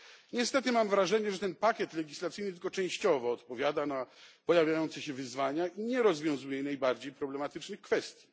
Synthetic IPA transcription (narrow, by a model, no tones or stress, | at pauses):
ɲɛst̪ɛt̪ɘmamvɾaʐɛɲɛʐɛt̪ɛnpakʲjɛt̪lɛɡʲislat̪sɘjnɘt̪ɘlkɔt͡ʂɛ̃w̃ɕt͡ɕɔvɔːt̪pɔvʲjad̪anapɔjavʲjajɔnt̪sɛɕɛvɘzvaɲaʔiɲɛɾɔzvʲjɔ̃w̃zujɛnajbaɾd͡ʑejpɾɔblɛmat̪ɘt͡ʂnɘxkfɛst̪ʲji